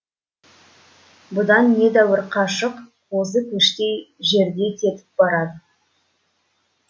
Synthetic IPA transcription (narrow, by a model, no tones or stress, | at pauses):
bʊd̪ɑnːe̞d̪æwəɾqʰɑʃəq | wos̬əkʲʰɵʃt̪ʲe̞jʒe̞ɾd̪e̞t̪ʲʰe̞t̪ɪ̥p̚bɑɾɑd̪ə